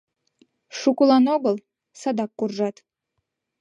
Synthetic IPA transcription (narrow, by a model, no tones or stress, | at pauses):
ʃukulɑnoɣəlˠ | sɑd̪ɑkːurʒɑt̪